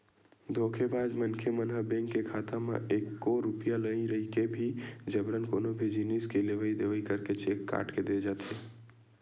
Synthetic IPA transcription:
d̪oːkʰebaːd̪mənkʰemənɦəbɛ̃ːŋkːekʰaːt̪amḛ̃ʔeːkːoɾʊpijaləĩɾəikebʱid͡ʒəbɾənkoːnobʱed͡ʒiniskeleʋəid̪eːʋəikəɾket͡ʃeːkːa̰ːʈked̪eːd͡ʒaːt̪eː

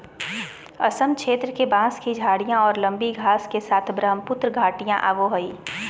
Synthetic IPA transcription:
ɐsəmkʃeːt̪ɾəkebãːskid͡ʒʱaːɽijãɔːɾlɐ̃mbiɡʱaːskesaːt̪ʰbɾəɦəmpʊt̪ɾəɡʱaːʈijã̰ʔaːʋoɦɐiː

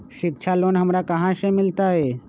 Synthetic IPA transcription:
ʃɪk̚t͡ʃʰaloːnɦəmɾakəɦãsẽmɪlt̪aɦɛː

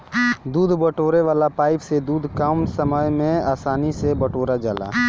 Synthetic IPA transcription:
d̪uːd̪ʱbəʈoːɾeʋaːlapaːɪpsed̪uːd̪ʱkaːmsəməjmẽaːsaːnisebəʈoːɾad͡ʒaːla̰ː

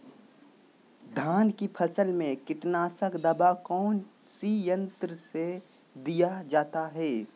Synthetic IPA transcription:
d̪ʱaːnkipʰɐsəlmẽkɪʈnaːsəkd̪ɐbakɔːn | sijə̃nt̪ɾəse | d̪ijad͡ʒaːt̪aɦɛː

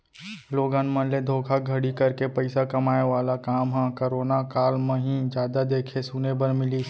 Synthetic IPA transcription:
loːɡãnmə̃nled̪ʱoːkʰaɡʱɐɽikɐɾkepɐɪsakɐmaːeʋaːlakaːmɦãkəɾoːnakaːlmẽɦĩd͡ʒjaːd̪ad̪eːkʰesunebəɾmɪli

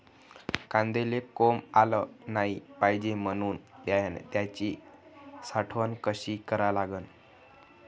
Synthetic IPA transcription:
kãnd̪elekomalənaɦipaɦid͡ʑemənuːnt̪jajant̪jat͡ɕi | saʈʰʋənkəɕikəɾalaɡən

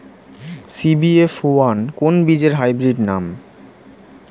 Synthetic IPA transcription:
sibiefoankonbid͡ʑeɾɦajbɾiɖnam

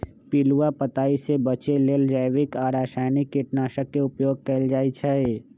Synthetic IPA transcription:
piluwapət̪aːisebət͡ʃeleːld͡ʒaːjʋɪkaːɾaːʃaːjnikːiʈnaːʃəkːeʊpjoːɡ̚kəld͡ʒaːit͡ʃʰae

